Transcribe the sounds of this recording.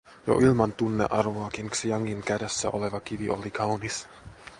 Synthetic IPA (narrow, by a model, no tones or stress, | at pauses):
jo̰ʔilmɑnt̪unːḛʔɑrʋoɑkinksijɑŋːiŋkædæsːæ̰ʔoleʋɑkiʋiʔolikʰɑwnis